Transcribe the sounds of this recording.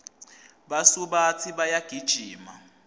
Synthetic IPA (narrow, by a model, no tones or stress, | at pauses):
ɓasuɓat͡sʰiɓajaɡ̥ʱid̥ʒ̥ʱiːma